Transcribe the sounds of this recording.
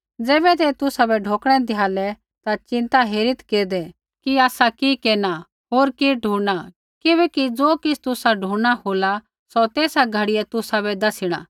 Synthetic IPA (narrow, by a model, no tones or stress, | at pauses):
d͡zɛːbɛt̪ɛt̪ʊsabɛɖʱoːkɽ̃ɛ̃d̪ɪjaːlɛ | t̪at͡ʃɪ̃nt̪aɦeːɾɪt̪keːd̪ɛ | kiaːsakikeːna | ɦoːɾkiɖʱũːa | kɪbɛkid͡zoːkɪsʰt̪ʊsaɖʱũːɽɽ̃aɦoːla | sɔt̪eːsaɡʱɐɽɪɛt̪ʊsabɛd̪ɐsɪɽ̃a̰ː